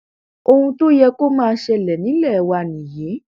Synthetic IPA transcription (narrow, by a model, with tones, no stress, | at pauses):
o˧hũ˧to˦jɛ˧ko˦mãː˦˧˦ʃɛ˧lɛ˨nĩ˨˦lɛ˦˨˧wa˧˨nĩ˨je˨˦